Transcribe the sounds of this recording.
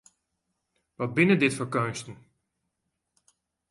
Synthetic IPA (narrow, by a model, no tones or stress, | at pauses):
ʋɔt̚bɪnədɪtfəɹkøɥnstən̩